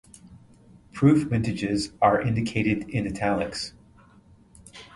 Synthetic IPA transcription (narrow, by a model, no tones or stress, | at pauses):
pʰɹ̥ʉfmɪ̃ntɨd͡ʒɪzə˞ʔɪ̃ndɨkʰeɪɾɨɾɪ̃nɨtʰælˠɨks